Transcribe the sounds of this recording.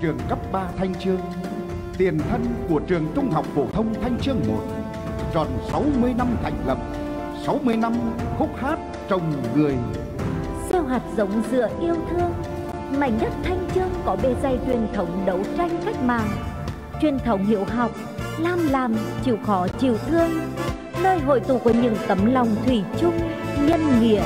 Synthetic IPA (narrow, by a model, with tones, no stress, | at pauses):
t͡ɕɨ˨˩əŋkə˦˥p̚ɓaː˧t̪ʰa˧jŋ̟t͡ɕɨ˧əŋ | t̪i˨˩ənt̪ʰə˧nku˧˩ət͡ɕɨ˨˩əŋt̪ʊ˧ŋ͡mɦa̰˨˩wk͡p̚fo˧˩t̪ʰə˧wŋ͡mt̪ʰa˧jŋ̟t͡ɕɨ˧əŋmo̰˨˩t̚ | t͡ɕɔ˨˩nsa˨˦wmɨ˧əjna˧mt̪ʰa̰˧˩jŋ̟lə̰˨p̚ | sa˨˦wmɨ˧əjna˧mxʊ˦˥k͡p̚haː˦˥t̚ | t͡ɕə˧˩wŋ͡mŋɨ˨˩əj | sɛ˧wɦa˨˩t̚zə˨˦wŋ͡mzɨ̰˧˥əʔi˧əwt̪ʰɨ˧əŋ | ma̰˧˩j̚ɲə˦˥t̚t̪ʰa˧jŋ̟t͡ɕɨ˧əŋkɔ˨˦ɓe˨˩za˨˩jt͡ɕwi˨˩ənt̪ʰə˨˦wŋ͡mɗə˨˦wt͡ɕa˧jŋ̟xa˦˥jk̟̚ma̰ː˧˨ŋ | t͡ɕwi˨˩ənt̪ʰə˨˦wŋ͡mɦḭ˧˨əwɦa˨˩wk͡p̚laː˧˩mlaː˨˩mt͡ɕḭ˧˩wxɔ˨˦t͡ɕḭ˧˩˨wʔɨ˧əŋ | nəː˧jɦo̰˧˨jt̪ṵ˧˨ku˧˩əɲɨ̰˧˥ŋt̪ə˨˦mla˨˩wŋ͡mt̪ʰwi˧˩t͡ɕʊ˧ŋ͡m | ɲə˧nŋḭ˧˨ə